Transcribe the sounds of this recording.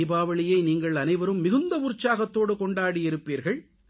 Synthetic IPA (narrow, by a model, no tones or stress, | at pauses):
ɪbaːʋɐɭɪjɐɪniːŋɡɐɭɐnɐɪʋɐɾɯmːɪɣɯnd̪ɐʊɾt͡ʃːaːɣɐt̪ːoːɽɯkɔɳɖaːɽiɪɾɯpːiːɾɣɐɭ